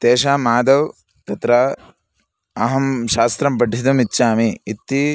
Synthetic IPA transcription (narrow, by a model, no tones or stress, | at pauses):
t̪eːʃaːmaːd̪ɐw | t̪ɐt̪ɾɐ | ɐɦɐmʃaːst̪ɾɐmpɐʈːid̪ɐmitːʃaːmiːt̪ːi